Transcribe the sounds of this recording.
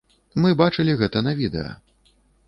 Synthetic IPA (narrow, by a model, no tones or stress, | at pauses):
mɨbat͡ʂɨlʲiɣɛt̪ɐnɐvʲid̪ɛ̰jɐ̰